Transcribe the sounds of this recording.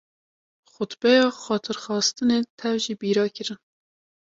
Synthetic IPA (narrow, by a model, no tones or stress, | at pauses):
xʊt̪bɛjɑːxɑːt̪ʰɨɾxɑːst̪ɨneːt̪ʰɛvʒiːbiːɾɑːkʰɨɾɨn